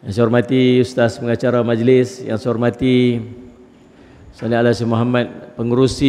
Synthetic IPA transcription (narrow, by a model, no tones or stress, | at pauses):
jaŋseɔrmat̪ijust̪aspəŋat͡ʃaɾamad͡ʒlɪsja̰ŋseɦɔrmat̪i | salialasimoɦamat̪̚pəŋuɾusi